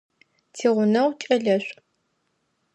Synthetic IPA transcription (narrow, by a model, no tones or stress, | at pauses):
tʰiːʁʷʊnɐwʷt͡ʃʼɐɮɐɕʷʼ